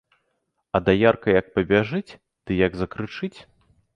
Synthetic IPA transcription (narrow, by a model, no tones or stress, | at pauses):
ɐd̪ajarkɐjɐk̚pɐbʲaʐɨt͡sʲ | d̪̥ɨjɐɡzɐkɾɨt͡ʂɨt͡sʲ